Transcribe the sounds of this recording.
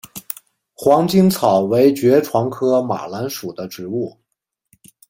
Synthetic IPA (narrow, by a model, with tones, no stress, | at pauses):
xwɑ˧˥ŋt͡ɕi˥ŋt͡sʰɑ˨˩ʊwe˧˥ɪt͡ɕɥɛ˧˥ʈ͡ʂʰwɑ˧˥ŋkʰɤ˥ma̰˨˩la˧˥nʂu˨˩d̪ə˦ʈ͡ʂɻ̩˧˥u˥˩